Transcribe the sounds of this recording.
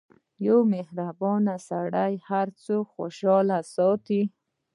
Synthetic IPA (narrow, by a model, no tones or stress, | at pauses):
jawmehɾabɔnasaɽajhaɾt͡soxoʃɑlasɔt̪i